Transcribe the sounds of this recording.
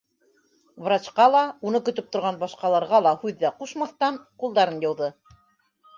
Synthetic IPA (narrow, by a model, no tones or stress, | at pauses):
vrat͡ɕqɑlˠɑunɤkɵ̆t̪ɵp̚t̪ŏɾʁɑnbɑʃqɑlˠɑɾʁɑlˠɑhʉðːæquʃmɑθt̪ɑnqulˠd̪ɑɾɤnjɤ̆wðɤ